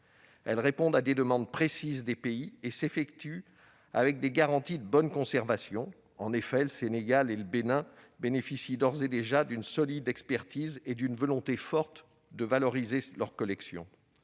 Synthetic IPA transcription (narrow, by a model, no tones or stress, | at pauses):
ɛlʁepɔ̃d̪ad̪ed̪əmɑ̃d̪̚pχesizd̪epeiesefɛkt̪y | a̰vɛk̚d̪eɡaʁɑ̃t̪id̪əbɔnkɔ̃sɛʁvasjɔ̃ | ɑ̃nefɛləseneɡaleləbenɛ̃ | benefisid̪ɔʁzed̪eʒad̪ynsɔlid̪ɛkspɛʁt̪ized̪ynvɔlɔ̃t̪efɔʁt̪ | d̪əvalɔʁizelœʁkɔlɛksjɔ̰̃